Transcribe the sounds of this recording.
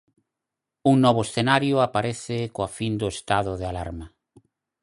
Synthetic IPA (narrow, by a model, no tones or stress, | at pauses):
uŋnɔβ̞ʊesθenaɾjʊapaɾɛθɪkoafind̪ʊest̪aðʊðealaɾma